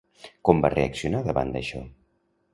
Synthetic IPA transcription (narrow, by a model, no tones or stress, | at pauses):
kɔmba̰rḛəksiunaðəβa̰nd̪əʃɔ̰